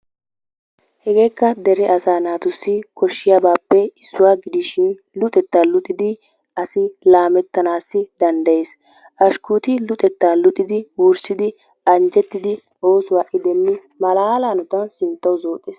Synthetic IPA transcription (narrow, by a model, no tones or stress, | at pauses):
hɛɡe̞ːkːɐd̪ɛɾɛʔɐsaːnaːt̪ʊsːɪkʰɔʃːɪjabaːpːɛɪsːʊwaːɡɪd̪ɪʃɪn | lʊt̪ʼɛt̪ːaːlʊt̪ʼːɪd̪ɪ | ʔɐsɪlaːmɛt̪ːɐnaːsːɪd̪ɐnd̪ɐje̞ːs | ʔɐʃkuːt̪ɪlʊt̪ʼɛt̪ːaːlʊt̪ʼːɪd̪ɪwuɾsɪd̪ɪ | ɐnd͡ʒɛt̪ːɪd̪ɪ | oːswaːʔɪd̪ɛmːɪ | mɐlaːlaːnʊt̪ɐnsɪnt̪ːɐwʊzo̞ːt̪ʼeːs